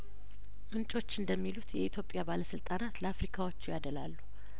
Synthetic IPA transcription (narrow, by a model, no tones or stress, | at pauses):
mɨnt͡ʃʼo̞t͡ʃːɨnd̪əmːilut̪jɛit̪ʰjo̞pʼjabaləsɨlt̪ʼanat̪ləafɾikʰawot͡ʃːujad̪əlalːu